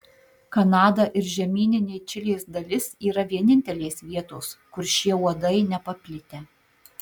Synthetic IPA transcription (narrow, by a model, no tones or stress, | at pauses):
kɐnɑːd̪ɐʔɪɾʒʲɛmʲiːnʲɪnʲeːɪt͡ʃʲɪlʲeːsd̪ɐlʲɪsiːɾɐʋʲiɛnʲɪnʲt̪ʲɛlʲeːsʋʲiɛt̪oːskʊɾʃʲiɛuɔd̪ɐɪnʲɛpɐpʲlʲɪt̪ʲɛ